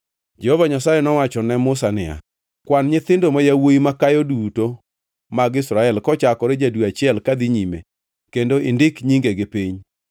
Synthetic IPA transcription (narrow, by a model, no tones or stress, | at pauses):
d͡ʒɛhovaɲasajɛnɔwat͡ʃɔnɛmʊsanɪ̰ja̰ | kwanɲɪt̪ɪndomajawoimakajoduto | maɡɪsɾaɛlkɔt͡ʃakɔɾɪd͡ʒadwuat͡ʃɪɛlkad̪ɪɲimḛ | kendoɪndɪkɲiŋɡeɡepiɲ